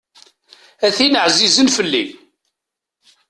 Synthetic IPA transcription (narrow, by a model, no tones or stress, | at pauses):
æθinəʕzizənfəlːḭm